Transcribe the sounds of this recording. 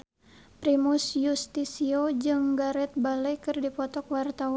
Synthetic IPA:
pɾimusjust̪isiod͡ʒɨŋɡaɾɛt̪̚balɛjkɨrdipɔt̪ɔkwart̪awa

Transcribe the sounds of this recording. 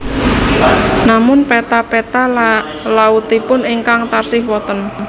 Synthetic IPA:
namʊnpɛt̪apɛt̪a | laut̪ipʊniŋkaŋt̪arsɪhwɔt̪ən

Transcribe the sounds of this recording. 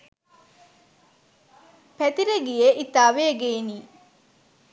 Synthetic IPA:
pæt̪iɾeɡijeʔit̪aːʋeːɡeːniː

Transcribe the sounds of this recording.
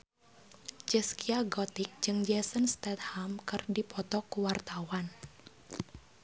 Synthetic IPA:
d͡ʒɛskiaɡɔt̪ik̚d͡ʒɨŋd͡ʒɛsənst̪ɛt̪̚hamkɨrdipɔt̪ɔkuwart̪awan

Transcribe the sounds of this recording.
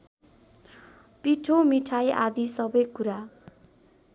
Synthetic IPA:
piʈʰomiʈʰaja̰d̪isʌbʌjkuɾa

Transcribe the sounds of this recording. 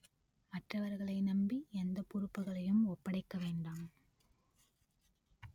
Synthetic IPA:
mɐʈrɐʋɐɾɣɐɭɐɪnɐmbiɛnd̪ɐpʊɾɯpːɐɣɐɭɐjɯmɔpːɐɽɐɪkːɐʋeːɳɖɐm

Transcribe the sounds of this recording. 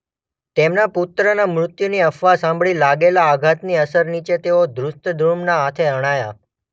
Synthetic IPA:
t̪emnapʊt̪ɾənamɾʊt̪juniəfʋasãmbʱɭilaɡelaːɡʱat̪niəsəɾnit͡ʃet̪eod̪ɾʊst̪əd̪ʱumnaat̪ʰeəɽ̃aja̰

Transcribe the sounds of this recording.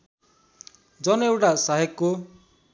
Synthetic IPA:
d͡ʒʌnewʈasaɦekːo

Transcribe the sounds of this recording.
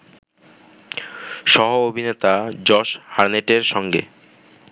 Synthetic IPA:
ʃɔɦoobʱinet̪ad͡ʑɔʃhaɾneʈeɾʃɔŋɡḛ

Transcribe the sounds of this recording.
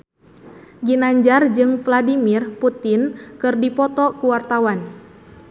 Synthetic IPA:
ɡinaɲd͡ʒard͡ʒɨŋfladimirput̪ɪnkɨrdipɔt̪ɔkuwart̪awan

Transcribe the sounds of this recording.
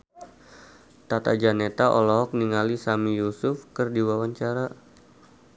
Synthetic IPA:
t̪at̪a̰d͡ʒanet̪aʔolɔɦɔk̚niŋalisamijusʊfkɨrdiwawaɲt͡ʃaɾa

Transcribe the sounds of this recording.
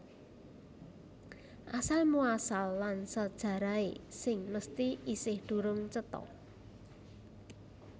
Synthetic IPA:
ʔasalmuasalːansəd̥ʒ̥a̤ɾaesɪŋməst̪iisɪhd̪̥ṳɾʊŋt͡ʃət̪ɔ̰

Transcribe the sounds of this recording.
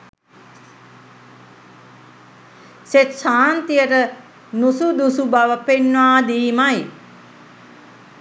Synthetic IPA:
set̪ʃaːnt̪ijəʈə | nusud̪usubaʋəpenːʋaːd̪iːmaj

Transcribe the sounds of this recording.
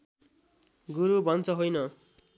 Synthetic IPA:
ɡuɾubʱʌnt͡sʰʌɦojnʌ

